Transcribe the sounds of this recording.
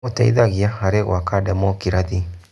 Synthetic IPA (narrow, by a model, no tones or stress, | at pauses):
otaḭðaɣiahaɾeɣw̰akadamɔkiɾaði